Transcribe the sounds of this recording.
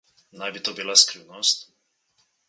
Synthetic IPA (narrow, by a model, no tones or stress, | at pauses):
nabit̪ɔbilaskɾinɔstʲ